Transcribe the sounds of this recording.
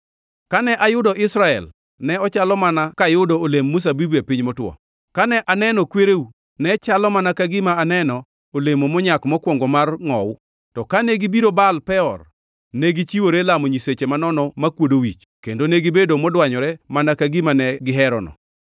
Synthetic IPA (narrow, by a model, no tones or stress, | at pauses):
kanɛʔajʊdɔʔɪsɾaɛ̰l | nɛɔt͡ʃalɔmanakajʊdɔolemːʊs̬abibuapiɲmɔtwɔ̰ | kanɛʔanɛnɔkweɾeu | nɛt͡ʃalɔmanakaɡɪmaːnɛnɔ | olemomɔɲakmɔkwɔŋɡɔmarŋɔ̰w | tɔkanɛɡibiɾobalpɛɔ̰r | nɛɡit͡ʃiwoɾelamɔɲiset͡ʃemanɔnɔmakwodowit͡ʃ | kendonɛɡɪbedomɔdwaɲɔɾɛmanakaɡɪmanɛɡɪɦɛɾɔnɔ̰